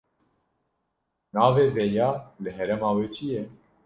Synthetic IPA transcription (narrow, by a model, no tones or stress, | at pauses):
nɑːveːvɛjɑːlɨɦɛɾɛmɑːweːt͡ʃʰijɛ